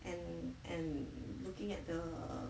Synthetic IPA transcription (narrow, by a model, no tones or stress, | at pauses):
ʔɛ̃nʔɛ̃nlukɪ̃ŋɛt̚d̪ə̰